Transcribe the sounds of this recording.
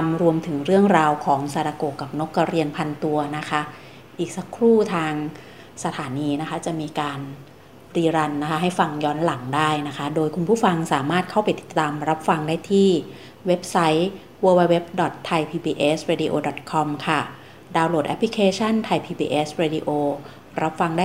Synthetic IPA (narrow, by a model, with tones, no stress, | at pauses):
a˧mɾu˧əmt̪ʰɯ˩˦ŋɾɯ˥˩əŋɾaː˧wkʰɔː˩˦ŋsa˧ɾaː˧koː˨˩kːa˨˩p̚no˦˥kːa˧ɾi˧ənpʰa˧nt̪u˧ɐna˦˥kʰa˦˥ | ʔiː˨˩k̚sa˧˦kʰɾuː˥˩t̪ʰaː˧ŋ | sa˧t̪ʰaː˩˦niː˧na˦˥kʰa˦˥t͡ɕa˨˩miː˧kaː˧n | ɾiː˧ɾa˧nːa˦˥kʰa˦˥ɦa˥˩jfa˧ŋjɔː˦˥nla˩˦ŋdaː˥˩jna˦˥kʰa˦˥doː˧jkʰu˧npʰuː˥˩fa˧ŋsaː˩˦maː˥˩t̪̚kʰa˥˩wpa˧jt̪i̥˨˩t̪ːaː˧mɾa˦˥p̚fa˧ŋdaː˥˩jt̪ʰiː˥˩ | we˦˥p̚sa˦˥j | wəː˧wa˧jwe˦˥p̚dɔ˨˩t̪ʰːa˧jpʰiː˧biː˧ʔeː˦˥sɾeː˧diː˧ʔoː˧dɔ˨˩t̪̚kʰɔ˧mkʰa˥˩ | daː˧wloː˨˩ʔɛ̰˦˥pʰli˦kʰeː˧t͡ɕʰa˥˩nt̪ʰa˧jpʰiː˧biː˧ʔeː˦˥sɾeː˧diː˧ʔoː˧ | ɾʔa˦˥p̚fa˧ŋdaː˥˩